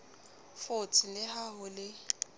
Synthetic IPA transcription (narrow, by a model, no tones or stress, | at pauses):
fʊt͡sʰʼɪlɪhaɦʊlɪ